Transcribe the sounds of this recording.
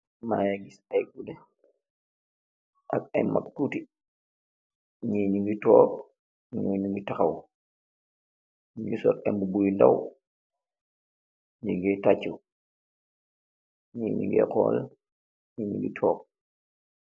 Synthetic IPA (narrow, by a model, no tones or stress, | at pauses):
majaɡisajɡudɛ | ʔakɛjma̰k̚tuti | ɲiːɲuɡitɔːp̚ | ɲuɲuŋɡitaxaw | ɲiɡisɔk̚ɛmbubujnda̰w | ɲiɡɛtat͡ʃːu | ɲiɲḭɡɛ̰kɔ̰l | ɲiɲḭɡḭtʰɔːk̚